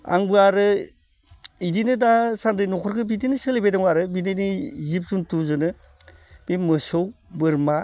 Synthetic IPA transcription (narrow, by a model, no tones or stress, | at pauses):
a̰ŋbɯaɾɯ | idinɯdasandɯjnɔkʰɔɾkʰɯbitinɯsɯlebajdaŋbaɾɯbinɯnizip̚suntuzɯnɯ | bimɯsowbɯɾma